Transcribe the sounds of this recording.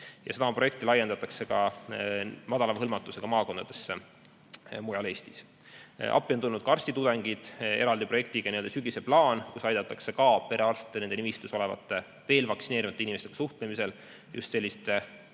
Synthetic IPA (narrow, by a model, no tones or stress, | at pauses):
jɑ̰sed̪ɑmɑpro̞je̞k̚t̪ilɑje̞nd̪ɑt̪ːˑɑkse̞kɑ | mɑd̪̥ɑlɑhɤlmɑt̪ːˑuse̞ɡ̥ɑmɑːko̞nd̪ɑd̪̥e̞sːe | mujɑle̞ːst̪is | ʔɑ̰pːˑio̞nt̪ulnud̪̥kɑrsʲt̪it̪ud̪e̞ŋɡ̥id̪̥e̞ɾɑld̪ipro̞je̞k̚t̪iɡ̥ɑnield̪ɑsyɡise̞plɑːnkusɑjd̪ɑt̪ːˑɑkse̞kɑːpe̞ɾe̞ɑrst̪t̪ːene̞nd̪eimist̪usole̞vɑ̰t̪ːˑe | ve̞ːlvɑkt̪sine̞ːɾimɑt̪ːeinimest̪eɡ̥ɑ̥suht̪lemise̞l | jʔṵst̪se̞lʲːist̪